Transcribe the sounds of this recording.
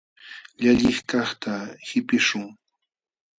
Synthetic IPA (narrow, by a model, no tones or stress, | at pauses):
ʎaʎɪχkɑχt̪ahɪpɪʃʊŋ